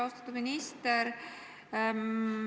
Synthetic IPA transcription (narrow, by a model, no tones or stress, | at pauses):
ost̪ɑ̥t̪ːud̪minist̪eɾ